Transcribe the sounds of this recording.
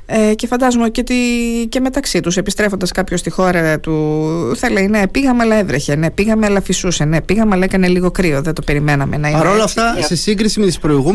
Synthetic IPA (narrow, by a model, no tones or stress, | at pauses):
ecefɐnd̪ɐzomoceot̪ice̞me̞t̪ɐksit̪us̬e̞pist̪ɾefond̪ɐskɐpço̞st̪ixo̞ɾɐt̪uθɐleine̞piɣɐmeɐlɐevɾeçe̞ne̞piɣɐmeɐlɐfisuse̞ne̞piɣɐmɐlɐekɐne̞liɣo̞kɾio̞ðet̪o̞pe̞ɾimenɐme̞nɐipɐɾolɐft̪ɐsesiŋɡɾisimet̪ispɾo̞iɣu